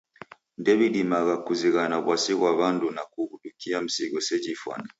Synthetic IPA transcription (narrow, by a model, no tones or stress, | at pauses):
ndɛβidimaɣakuziɣanaβwasiɣwaβandunakuβudukiam̩siɡɔsɛd͡ʒifwa̰na